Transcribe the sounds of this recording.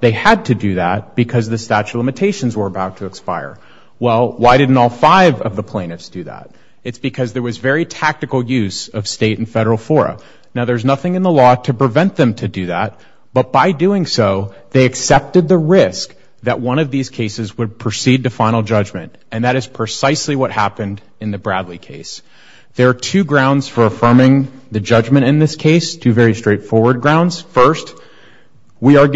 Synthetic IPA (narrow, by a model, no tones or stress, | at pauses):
ðeɪɨd̚tʰɨdɨðæt̚b̥ɨkʰʌzðɨstæt͡ʃʉlɪ̃mɨtʰeɪʃn̩zwə˞əbaʊtʰɨːkspaɪə̰˞ | wɛlˠwaɪɾɪdⁿn̩tɔlˠfaɪvʌvðəpʰl̥ẽɪ̃nɨftsd̥ɨðæ̰ɾ̚ | ɨtsb̥ɨkʰʌzðə˞wʌzvɛɹitʰæk̚tɨkl̩ˠjʉzʌv̥steɪɾn̩fɛɾə˞l̩ˠfɔɹɨ̰ | naʊðə˞znʌθɪ̃ŋɨ̃nðəlɔɾʰɨpɹ̥ɨvɛ̃nðɨ̃mtʰɨdɨðæt̚ | b̥ʌt̚b̥aɪdʉɪ̃ŋsoʊ | ðeɪɨksɛp̚tɨd̪̚ðɨɹɪsk̚ | ðɨʔ̚wʌ̃ɾ̃ʌvðiz̥kʰeɪsɨzwəd̚pʰɹ̥ɨsid̚tɨfãɪ̃nl̩ˠd͡ʒʌd͡ʒmɨ̰̃nt | ɨ̃nðɨɾɨz̥pʰɹ̥ɨsaɪsliwʌt̚hæpɨ̃nd | ɨ̃nðɨbɹædˡlikʰeɪs | ðə˞ːtʰʉɡɹãʊ̃ndz̥fə˞ɨfɜ̃˞mɪ̃ŋðɨd͡ʒʌd͡ʒmɨ̃ɾ̃ɨ̃nðɪskʰeɪstʰʉvɛɹistɹ̥eɪtfɔɹwə˞d̚ɡɹãʊ̃ndz̥fɜ˞st | wiə˞